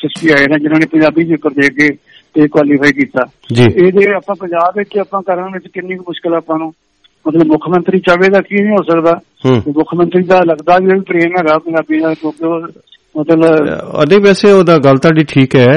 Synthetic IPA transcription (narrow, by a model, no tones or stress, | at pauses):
sɪspiːaːinãːd͡ʒɪnãːneːpəɲd͡ʒaːbiːd̪iʊkːəɾd̪eːkʰɡeː | t̪eːkwaːliːpʰaːiːk̬iːt̪aː | d͡ʒiːeːd̪eːəpãːpəɲd͡ʒaːbɪt͡ʃːəpãːkəɾənʋɪt͡ʃkɪnːiːkːmʊʃkɪlaːpãːnũː | mət̪ləbmʊkʰjmə̃nt̪ɾiːt͡ʃaʋeːd̪aːkiːnĩːɦoːsəkd̪aː | ɦ̪ːemʊkʰmə̃nt̪ɾiːd̪aːləɡd̪aːʋiːoːiːpɾeːmɦɛːɡaːpə̃d͡ʒaːbiːnãːkjõːkeoː | mət̪ləbə̰d̪eːpɛːseːoːd̪aːɡəlt̪aːɖiːʈʰiːkɦɛː